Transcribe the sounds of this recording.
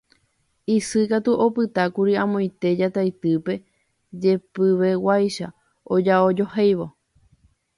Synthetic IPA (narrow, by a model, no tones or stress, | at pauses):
isɨkat̪uʔo̞pɨt̪akuɾiãmõj̃t̪e̞d͡ʒat̪ajt̪ɨpe̞ | d͡ʒe̞pɨʋe̞wajʃa | od͡ʒaod͡ʒo̞hejʋo̞